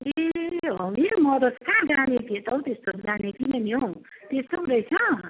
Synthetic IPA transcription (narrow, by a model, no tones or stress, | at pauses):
eɦʌmimʌɾoskãɡanekʰet̪ʌw̃t̪est̪oɡanek̪inʌnjot̪est̪oɾʌjt͡sʰʌ